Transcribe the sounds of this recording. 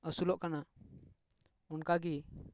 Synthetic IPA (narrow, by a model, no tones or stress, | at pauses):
əsulɔʔkana | ɔnkaɡi